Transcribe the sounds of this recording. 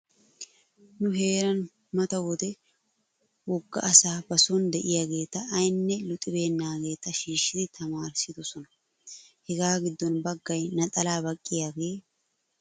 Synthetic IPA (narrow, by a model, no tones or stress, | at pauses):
nʊɦe̞ːɾɐn | mɐt̪ɐwɔd̪ɛ | wɔɡːɐ̰ʔɐsaːbɐsɔnd̪ɛʔɪjaɡe̞ːt̪ɐʔːjnːɛlʊt̪ʼɪbe̞ːnːaːɡe̞ːt̪ɐʃiːʃːɪd̪ɪt̪ʰɐmaːɾsɪd̪ɔsɔnɐ | hɛɡaːɡɪd̪ːɔnbɐɡːɐjnɐt̪ʼɐlaːbɐkʼːɪjaɡe̞ː